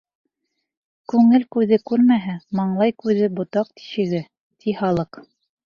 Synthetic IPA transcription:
kʉŋɘlkʉðɘkʉɾmæɦæmɑɴlˠɑjkʉðɘbŏt̪ɑq̚t̪i̥ʃɘ̆ɡɘ | t̪ʰihɑlˠɤq

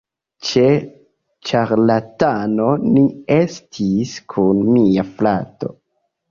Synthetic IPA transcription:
t͡ʃe̞ | t͡ʃaɾlatano̞nie̞stʰiskʰunmiaflato̞̰

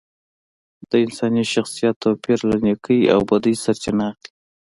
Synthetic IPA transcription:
d̪̥əɪnsɑniʃaxsijɑt̪ːopiɾlanekʰəja̰wbad̪əjsaɾt͡ʃɪnɑqi

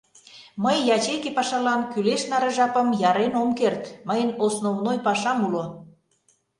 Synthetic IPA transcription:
məjːɑt͡ɕekepɑʃɑlɑnkyleʃnɑɾeʒɑpəmjɑɾenomkert̪məjənosnovnojpɑʃɑmulo

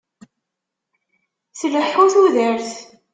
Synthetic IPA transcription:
sələħːuθuðəɾθ

